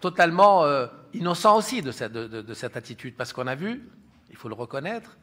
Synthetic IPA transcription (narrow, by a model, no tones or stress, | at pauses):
t̪ɔt̪almɑ̃øinɔsɑ̃osid̪əsɛd̪əd̪əd̪əsɛt̪at̪it̪yd̪̚paʁsə̥kɔ̃navy | ilfoləʁəkɔnɛt̪χ